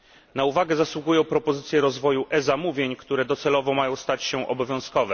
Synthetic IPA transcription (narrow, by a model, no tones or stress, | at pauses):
nauvaɡɛzaswuɡujɔ̃w̃pɾɔpɔzɘt̪sʲjɛɾɔzvɔjuʔɛzamuvʲjeɲkt̪uɾɛd̪ɔt̪sɛlɔvɔmajɔ̃w̃st̪at͡ɕɕɛʔɔbɔvʲjɔ̃w̃skɔvɛ